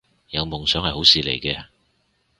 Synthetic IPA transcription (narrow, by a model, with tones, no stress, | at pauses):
jɐ˨˧wmʊ˨˩ŋsœː˨˥ŋhɐ˨jho˨˥wsiː˨lḛ˨˩jkɛː˧